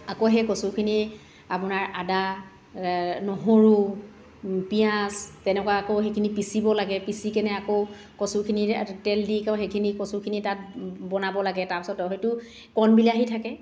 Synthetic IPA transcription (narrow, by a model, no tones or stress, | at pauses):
akoɦɛkɔsukʰini | apʊnaɹʔada | nɔɦoɹu | pijastɛnɛkwaakoɦekʰinipisibɔlaɡɛpisikɛnɛako | kɔsukʰinitɛldikaɦekʰinikɔsukʰinitat̚bɔnabɔlaɡɛtaɹpi̥sɔtɔɦɔjtʊ | kɔnbilɛaɦitʰakɛ